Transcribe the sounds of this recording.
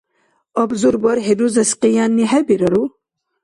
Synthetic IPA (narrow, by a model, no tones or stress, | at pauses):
ɔbzuɾbɔɾɦed̪uzɐsqijanːiɦɛbiɾɐɾu